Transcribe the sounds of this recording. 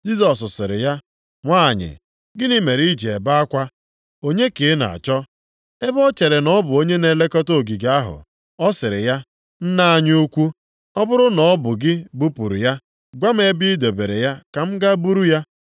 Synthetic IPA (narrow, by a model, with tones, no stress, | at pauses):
d͡ʒi˦sɔ˨s̬ʊ˨sɪ˨ɾɪ̰˨ja˦ | ŋʷaː˦˨ɲɪ̰˨ | ɡɪ˦ni˦me˨ɾi˦d͡ʒe˨e˨ba˦a˦kʷa˦ | o˦ɲe˦ke˨˦na̰˨a̰˨t͡ʃɔ˦ | e˦bɔ˦t͡ʃe˨ɾe˨nɔ˦bʊ˨o˦ɲe˦ne˨le˦kɔ˦to˦˨ɡi˨ɡa˦ɦʊ̰˨ | ɔ˦sɪ˨ɾɪ˨ja˦ | n̩˦na˦a˦ɲ˦u˦kʷu˦ | ɔ˦bʊ˦ɾʊ˦nɔ˨˦bʊ˨ɡɪ˦bu˦pu˨ɾṵ˨ja˦ | ɡʷa˦m̩˦e˦bi˦de˨be˨ɾe˨ja˦ka˨m̩˦ɡa˦bu˦ɾu˦ja˦